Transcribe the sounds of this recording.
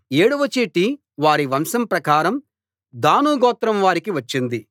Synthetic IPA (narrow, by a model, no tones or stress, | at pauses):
eːɽuʋɐt͡ʃːeːʈi | ʋaːɾiʋɐmsɐmpɾɐkaːɾɐm | d̪aːnuːɡɔːt̪ɾɐmʋaːɾikiʋɐt͡ʃːind̪i